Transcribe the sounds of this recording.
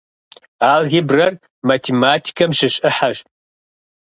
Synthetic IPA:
aːlɣibrɐr | matʰeːmaːtʰi̥kʰɐmɕɪɕʼɪħaɕ

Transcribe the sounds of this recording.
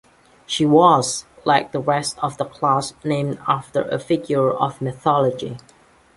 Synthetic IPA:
ʃiwɔzlaɪk̚ðəɹɛstɔvðəkʰl̥asnẽmaftə̰˞ʔə̰fɪɡjə˞ɔ̰vmɪθɔləd͡ʒḭ

